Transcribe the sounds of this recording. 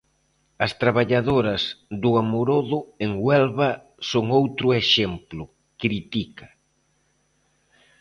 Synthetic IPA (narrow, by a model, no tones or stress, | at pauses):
ɐst̪ɾaβ̞aʎaðoɾɐsðʊamoɾoðʊeŋwɛlβa | soŋowt̪ɾʊeʃemplʊ | kɾit̪ikɐ̥